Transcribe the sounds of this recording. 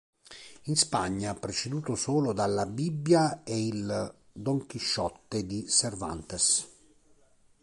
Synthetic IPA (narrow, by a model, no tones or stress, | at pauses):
inspaɲːapɾet͡ʃed̪uːt̪osoːlod̪alːabibːjaeild̪oŋkiʃːɔt̪ːed̪iserva̰nt̪es